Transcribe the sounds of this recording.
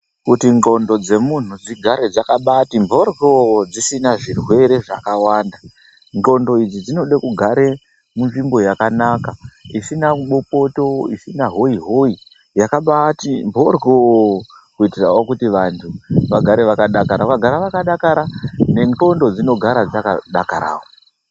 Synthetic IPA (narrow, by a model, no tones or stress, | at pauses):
kutiŋɡo̞ndo̞d͡ze̞mun̤ud͡ziɡʱaɾed͡zakaɓatimbʱo̞rɡod͡zisinaʐirwe̞ɾe̞ʐa̰kawaːnda | ŋɡo̞ndo̞id͡zid͡zino̞ɗakuɡʱaɾe̞ | munʐimbo̞jakanakaisinaɓo̞po̞to̞isinaɦo̞iɦo̞i | jakaɓatimbʱo̞rɡo | kuitirawokutiʋantʰuʋaɡʱaɾe̞ʋakaɗakaɾakaɡʱaɾaʋakaɗakaɾane̞ŋɡo̞ndo̞d͡zino̞ɡʱaɾad͡zakaɗakaɾa̰ːwo